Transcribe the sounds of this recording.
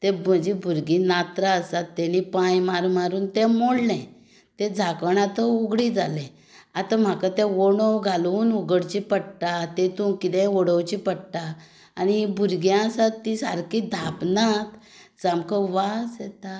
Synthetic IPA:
t̪ɛm̤əd͡ʑibʱuɾɡinat̪ɾaəsat̪ːɛñipãjmaɾmaɾuːnt̪ɛmoɽlɛ̃ | t̪ɛ̃d͡zʱakəɳat̪əuɡɽid͡zalɛ̃ | at̪am̤akat̪ɛ̃ʋoɽəwɡʱaluːnuɡəɽt͡ɕipəɽʈ̪at̪ɛ̃t̪ũkit̪ɛ̃ʋɔɽəwt͡ɕipəɽʈ̪aː | ñibʱuɾɡjãsat̪ːisa̰ɾkid̪ʱapnat̪ | d͡zamkəʋasjɛt̪a

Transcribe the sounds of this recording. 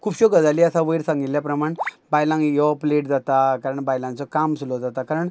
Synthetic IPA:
kʰuːbɕɔɡəd͡zaliəsaʋəjɾsãŋɡit̪ljapɾəmaɳ | bajlãŋɡjɔpleʈd͡zat̪akaɾəɳbajlãnt͡sɔkamsulɔd͡zat̪akaɾəɳ

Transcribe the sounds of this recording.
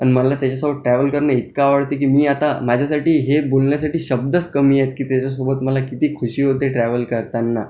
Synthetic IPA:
animəlat̪jat͡ɕasobəʈɾæʋəlkəɾɳəit̪kaːʋəɽt̪ek̬iːmiːat̪amad͡ʑʱasaʈiːɦebolɳjasaʈiːɕəb̚d̪əskəmiːjet̪̚kiːt̪jat͡ɕas̬obət̪məlakit̪iːkʰuɕiːməd̪ʱjeʈɾæʋəlkəɾt̪anːa

